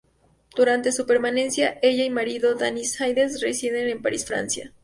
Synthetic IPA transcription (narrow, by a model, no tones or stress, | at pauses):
d̪̥uɾant̪e̞supe̞ɾmane̞nsjae̞ʝaimaɾiðo̞ðanisxajðes̬resiðe̞nempaɾisfɾa̰nsja̰